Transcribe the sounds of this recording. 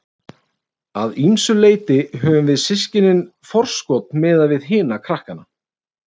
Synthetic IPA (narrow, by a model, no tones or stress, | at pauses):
aðimsʏleːjt̪ɪɦœːvʏmvɪðsɪscɪnɪnfɔr̥skɔt̪nmɛːðavɪðɦɪːnakʰɾahkana